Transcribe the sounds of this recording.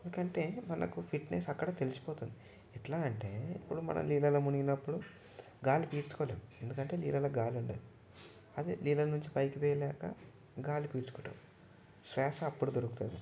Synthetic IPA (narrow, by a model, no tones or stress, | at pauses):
end̪ukɐɳʈe̞ːmɐnɐ̰kupʰiʈnesɐkːɐɽɐːt̪elisi̥poːt̪und̪i | ɛʈlaːɐɳʈe̞ːipːuɽumɐ̰nʔɐ̰mliːlɐlɐmuniɡinɐpːuɽu | ɡaːlipiːʈsu̥kɔːlḛːmue̞nd̪ukɐɳʈe̞ːlḭːlɐlɐɡaːluɳʈɐd̪i | ɐd̪iliːlɐnuɲt͡ʃipɐjkit̪iːjɐlɛːkɐ̰ | ɡaːlipiːʈt͡ʃukuːʈɐ̰ | sɾɛːsɐːpːuɽud̪oɾukut̪ṵnd̪ḭ